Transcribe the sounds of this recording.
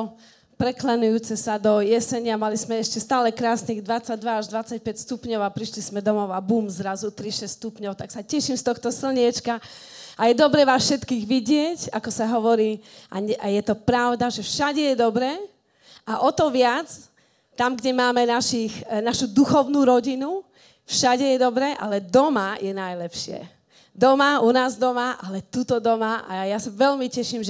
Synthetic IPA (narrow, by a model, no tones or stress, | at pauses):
pɾɛklɛnujuːt͡sɛsad̪ɔjɛsɛɲɪamalizmɛɛʃcɛst̪aːlɛkɾaːsniːɣd̪ʋat͡saɟd̪ʋaaʒd̪ʋat͡sːac̚pɛcst̪upɲɔʊapɾiʃlismɛd̪ɔmɔʊabuːmzɾazut̪ɾiʃɛsst̪upɲɔʊt̪aksacɛʃimst̪ɔxt̪ɔsl̩ɲɪɛt͡ʃkaajɛd̪ɔbɾɛːʋaːsʃɛt̪kiːɣʋiɟɪɛcakɔsaɦɔʋɔɾiːʔa̰ɲɛʔajɛt̪ɔpɾaʊd̪aʒɛfʃaɟɛjɛd̪ɔbɾɛː | aʔɔt̪ɔʋɪat͡s | t̪amɡɟɛmaːmɛnaʃixnaʃud̪uxɔʊnuːɾɔɟinu | fʃaɟɛjɛd̪ɔbɾɛːʔa̰lɛd̪ɔmajɛnajlɛpʃɪɛ̰ | d̪ɔmaunaːzd̪ɔmaʔalɛt̪uːt̪ɔd̪ɔmaʔa̰jasaʋɛʎmicɛʃimʒ